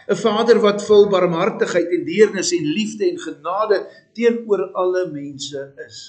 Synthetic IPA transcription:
əfɑːdərvɐtfəlˠbɐrmɦɐrtəχəjtɛndiərnəsɛnlifdəɛnχənɑːdə | tiənuəɾɐləmɛnsəəs

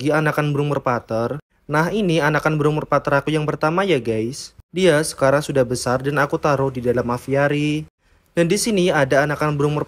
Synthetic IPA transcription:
ianakanbəɾʊŋmərpat̪ər | naɦinianakanbəɾʊŋmərpat̪əɾakujaŋpərt̪amajaɡajsdiasə̥kaɾaŋsudahbəsardanakut̪aɾʊhdidalamafiaɾi | dandisiniadaːnakanbəɾʊŋmər

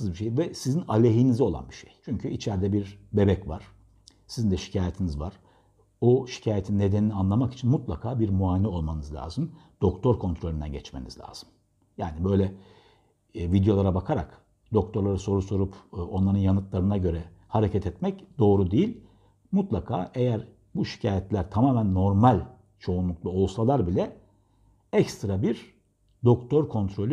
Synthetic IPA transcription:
ɯzbiʃejvɛsizinalʲeɦinizo̞lˠa̰nbiʃḛjt͡ʃʰyɲcʰyit͡ʃʰæɾd̪ɛbiɾbe̞bɛcvaɾ̥ | sizind̪ɛʃi̥cʰaːjet̪ʰinizvaɾ̥ | oʃi̥cʰaːjet̪ʰinːe̞d̪eninianlˠamaki̥t͡ʃʰinmut̪lˠakʰaːbiɾmuaːnɛo̞lˠmanɯzlʲa̰ːzɯmd̪̥o̞kt̪ʰo̞ɾkʰo̞nt̪ɾo̞lʲynd̪æ̰nɟɛt͡ʃmenizlʲa̰ːz̥ɯm | jaːnibø̞jlʲɛ | vid̪jo̞lˠaɾabakʰaɾa̰k | d̪̥o̞k̚t̪ʰo̞ɾlˠaɾaso̞ɾuso̞ɾupːo̞nlˠaɾɯnjanɯt̪lˠaɾɯnaɟø̞ɾɛhaɾecʰɛt̪ʰɛt̪mɛcd̪o̞ːɾud̪ejilʲ | mut̪lˠakʰa̰ːʔejæɾ | buʃi̥cʰaːjɛt̪lʲæɾt̪ʰamaːmænːo̞ɾmalʲ | t͡ʃʰo̞unlˠuk̚lˠao̞lˠsalˠaɾbilʲɛ | ɛcst̪ɾabiɾ | d̪o̞kt̪ʰo̞ɾkʰo̞nt̪ɾo̞lʲy

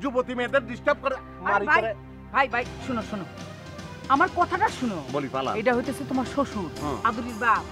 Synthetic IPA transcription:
d͡ʑubot̪imed̪eɾd̪isʈab̚koɾe | maɾibʱajɾe | bʱajbʱajʃunoʃuno | amaɾkɔt̪ʰaʈaʃunobolipala̰ejʈaɦojt̪esʰet̪omaɾʃoʃuɾab̪uɾiɾba

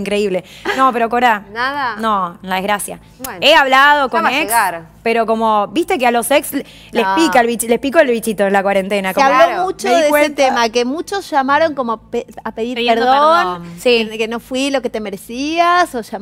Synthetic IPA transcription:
ŋkɾe̞iβlenope̞ɾokoɾðanaðnonlaðeɣɾasja̰ | eaβlaðo̞koneksɾ | peɾo̞ko̞mo̞bist̪ek̬ealo̞seks | lepikalβit͡ʃlehpikoelβit͡ʃit̪oenlakwaɾe̞nt̪enakoaβlomut͡ʃoðeeeet̪emakemut͡ʃosʒ̥amaɾo̞ŋkomopeapeðiɾeɾðonsikenofwilo̞ket̪emeɾesiasoʃa

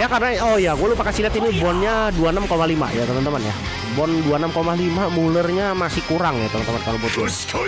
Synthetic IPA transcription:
jakarnaɔjaɡualupakasilat̪inibɔnɲaduanamkomalima̰jat̪əmant̪əmanja | bɔnduanamkomalimamulərɲamasɪhkuɾaŋjat̪əmant̪əmankalobɔt̪u

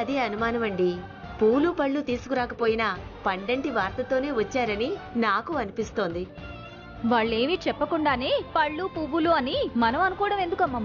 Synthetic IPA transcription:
ɐd̪iɐnumaːnɐmɐɳɖi | puːlupɐɭːut̪iːsu̥kuɾaːkɐpoːjinɐpɐɳɖɐɳʈiʋaːɾt̪ɐt̪o̞ːne̞ːʋɐt͡ʃːaːɾɐninaːkuɐnipist̪o̞ːnd̪i | ʋaːɭːe̞ːmit͡ʃɛpːɐkuɳɖaːneːpɐɭːupuːbuluɐnimɐnɐmɐnukɔːɽɐme̞nd̪ukɐmːɐm

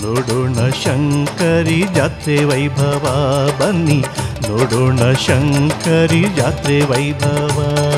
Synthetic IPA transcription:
noɽuɳɐʃɐŋkɐɾid͡ʒaːt̪ɾeʋɐjbʱɐʋabɐnːinoɽuɳɐʃɐŋkɐɾid͡ʒaːt̪ɾeʋɐjbʱɐʋaː

